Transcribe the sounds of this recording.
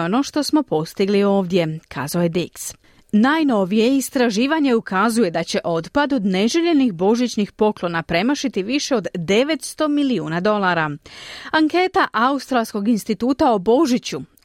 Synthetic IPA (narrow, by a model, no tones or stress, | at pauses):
o̞no̞ːʃt̪o̞smo̞po̞st̪iɡlio̞ːʋd̪ʲje̞kʰa̰ːzaojed̪iks | naːjno̞ʋije̞ist̪ɾaʒiːʋaɲe̞ukazuje̞d̪at͡ɕe̞ʔo̞d̪pad̪o̞d̪ne̞ʒeʎe̞nixbo̞ʒit͡ɕnixpo̞klˠo̞napɾe̞maʃit̪iʋiʃe̞o̞d̪d̪e̞ʋe̞t̪st̪o̞miliuːnad̪o̞lˠaːɾaaŋke̞ːt̪aʔaust̪ɾalˠsko̞ɡinst̪it̪uːt̪aobo̞ʒit͡ɕu